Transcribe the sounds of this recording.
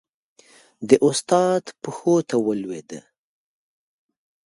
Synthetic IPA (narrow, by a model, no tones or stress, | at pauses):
d̪əʔʊst̪ɑd̪pəxot̪awəlwed̪ə̰